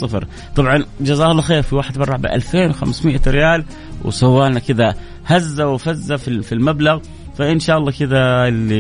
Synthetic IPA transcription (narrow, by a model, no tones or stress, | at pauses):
ɑfɾ | t̪ˤɑbʕɑnd͡ʒazaːhɑlˤːɑxeːɾfiwaːħɪd̪bɑrˤːɑʕbɪ̰ʔa̰lfeːnwxa̰msmɪʔaɾɪjaːl | w̰sawːaːnakɪd̪a | hazːawfazːafifilmablaɣ | faʔɪnʃaːʔɑlːɑːkɪd̪aɪlːi